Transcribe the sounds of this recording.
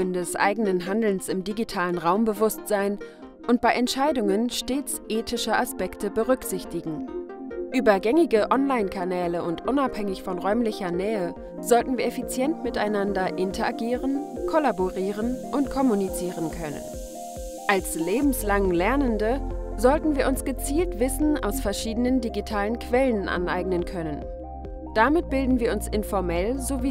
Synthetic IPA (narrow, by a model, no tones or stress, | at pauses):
əndɛsʔa̰ɪɡənənɦandl̩nsɪmdiɡitʰaːlənʁaʊmbəvʊstz̥aɪn | ʔʊnt̚b̥aɪʔɛntʃaɪdʊŋənʃteːt͡sʔeːtʰɪʃəʔaspɛktəbəʁʏkz̥ɪçtɪɡŋ̩ | ʔyːbɐɡɛŋɪɡəʔɔnlaɪnkʰanɛːləʊntʔʊnaphɛŋɪçfɔnʁɔʏmlɪçɐnɛːə | zɔltn̩viːɐɛfit͡sjɛntmɪtaɪnandɐʔɪntʰɐʔaɡiːʁənkʰɔlaboʁiːʁənʔʊntkʰɔmunit͡siːʁənkʰœnə̰n | ʔalsleːbm̩slaŋlɛɐnəndəzɔltn̩viːɐʊnsɡ̥ət͡siːltv̥ɪsn̩a̰ʊsfɛɐʃiːdənəndiɡitʰaːlənkʰv̥ɛlənʔa̰nʔa̰ɪɡnənkʰœnən | d̥amɪt̚b̥ɪldn̩viːɐʊnsʔɪnfɔɐmɛlzoviː